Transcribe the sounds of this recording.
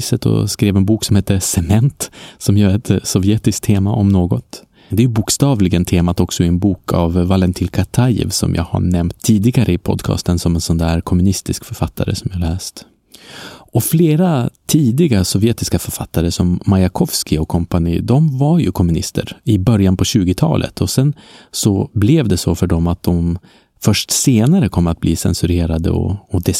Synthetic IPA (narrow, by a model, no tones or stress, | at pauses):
sət̪ʰɔ̰skɾeːvɛnbuːksɔmheːt̪ːəsɛmɛnt̪sɔmjœːɾɛt̪sɔvjeːt̪ɪskt̪ʰeːmaʔɔmnoːɡɔt̪ | d̪ɛæjɵbuːkst̪ɑːvlɪɡənt̪ʰeːmat̪ɔksɔɪɛnbuːkʰa̰vːalɛnt̪ʰɪːlkʰat̪ʰajɛ̰vsɔ̰mja̰ːɡha̰ɳɛmt̪ʰːiːd̪ɪɡaɾəɪpʰɔ̰d̪kʰɑ̰ːst̪ənsɔmɛnsɔnd̪æːɾkʰɔmːɵnɪst̪ɪskfœɾfat̪ʰːa̰ɾə̰sɔmvɪhalɛːst̪ | ɔfleːɾat̪ʰiːd̪ɪɡasɔvjɛːt̪ɪskafœɾfat̪ʰːaɾəsɔmːajakʰɔvskɪɔkʰɔmpaniːd̪ɔmvaɾjɵ̰kʰɔmːɵnɪst̪ʰə̰ɾɪbœɾjanpʰɔɕʉ̟ːɡɪt̪ʰɑ̰ːlʔə̰t̪ʰɔsɛnsɔblɛvd̪ɛsɔfœɖɔmat̪̚d̪ɔm | fœʂʈseːnaɾəkʰɔmːəɾat̪̚bliːsɛ̰nsɵɾeːɾad̪ə̰ɔ̰ːd̪ɛ